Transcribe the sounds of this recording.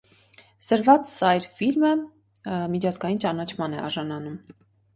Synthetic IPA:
səɾvɑt͡ssɑjɾfilmə | mit͡ʃʰɑzɡɑjint͡ʃɑnɑt͡ʃʰmɑnɛʔɑ̰ʒɑnɑnum

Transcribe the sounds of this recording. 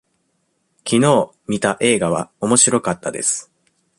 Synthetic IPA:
kʲino̞ː | mʲit̪aʔe̞ːɡaβ̞a̰o̞mo̞ɕiɾo̞kat̪ːad̪e̞̰sɨ̥

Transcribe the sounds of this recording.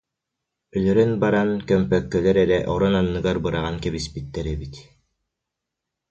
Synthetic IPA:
œlœɾœnbaɾankœmpœkːœlɛɾɛɾɛʔɔɾɔnanːɯɡaɾbɯɾaʁankɛβispit̪ːɛɾɛbit̪

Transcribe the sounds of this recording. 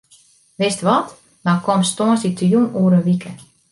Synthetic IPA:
ʋɪstʋɔt | nakomstoənsditjunuːəɾəʋikʰə

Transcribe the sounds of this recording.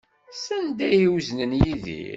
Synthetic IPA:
sænd̪æjiwznənjiðḭ

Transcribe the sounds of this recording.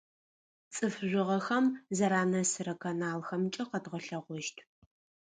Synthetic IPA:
t͡sʼɨfʒʷɪʁɐxɐmzɐɾaːnɐsɨrɐkʰɐnaːlxɐmt͡ʃʼɐqɐdʁɐɬɐʁʷɔʃtʰ

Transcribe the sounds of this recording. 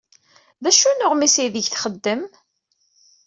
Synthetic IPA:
ðæʃunʊʁmisijðəʝθχəd̪ːəm

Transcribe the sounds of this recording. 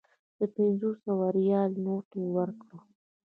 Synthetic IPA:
d̪̥əpɪnzosawaɾjɑlnoʈowəɾkɽo

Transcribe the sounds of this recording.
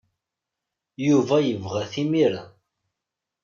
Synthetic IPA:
juvæjəvʁæθimiɾa

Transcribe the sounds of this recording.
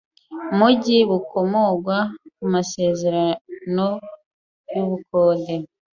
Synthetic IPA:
muɟiβuko̞moɡwakumase̞ːze̞ɾano | juβukoːlde

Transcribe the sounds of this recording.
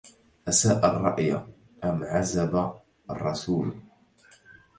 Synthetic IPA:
ʔasaːʔarˤːɑ̰ʔja̰ | ʔamʕazaba | ɑ̰rˤːɑsuːl

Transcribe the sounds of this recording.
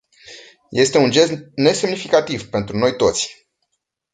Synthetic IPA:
je̞st̪e̞und͡ʒe̞sne̞se̞mnifikat̪ivpe̞nt̪ɾuno̞jt̪o̞t̪sʲ

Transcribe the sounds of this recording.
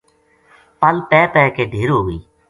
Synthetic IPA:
pəlpɛːpɛːkeːɖʱeːɾɦoːɡəiː

